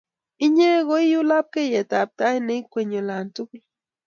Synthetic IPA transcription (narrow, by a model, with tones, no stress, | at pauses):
i˦ɲe˦ɣo˦i˦ju˦la˦p̚ke˦˨jɛ˨ta˨p̚ta˦i˦ne˦i˦kʷwe˨ɲo˨la˨ntu˦k